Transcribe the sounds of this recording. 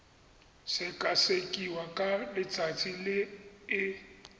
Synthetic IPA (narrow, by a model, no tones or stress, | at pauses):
sɪkʼasekʼiwakʼalɪt͡sʼat͡sʼilɪː